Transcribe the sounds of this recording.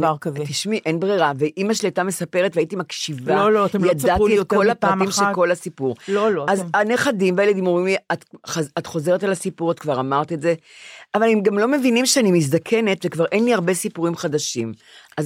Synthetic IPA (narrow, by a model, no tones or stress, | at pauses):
aʁkt̪iʃmiʔenbʁeʁaveʔimaʃletame̞sape̞ʁetveːitimakʃivaltjadaietko̞lapʁatimʃeko̞lhasipuʁlolazaneχadimveajeled̪imoimliatχaatχo̞ze̞ʁetalasipuʁatkvaʁamaʁt̪ietze̞avalemɡamlo̞me̞vinimʃeanimiz̬d̪akʰe̞ne̞tvekvaʁʔenliaʁbe̞sipuʁimχadaʃim | ʔaz